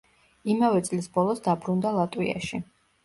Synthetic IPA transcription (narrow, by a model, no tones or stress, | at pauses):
imavɛt̪sʼlisbɔlˠɔsd̪abɾund̪alˠat̪ʼwḭa̰ʃḭ